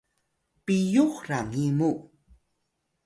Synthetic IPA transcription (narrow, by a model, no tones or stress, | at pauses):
pijuχɾaŋimu